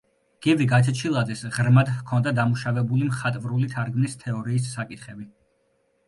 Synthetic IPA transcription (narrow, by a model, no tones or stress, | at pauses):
ɡ̥iviɡat͡ʃ̪ʰɛt͡ʃʰilˠad̪zɛsʁɾmad̪kʰɔnd̪ad̪amuʃavɛbulimχat̪ʼvɾulit̪ʰaɾɡnist̪ʰɛɔɾiːs̬ːakʼit̪ʰχɛbi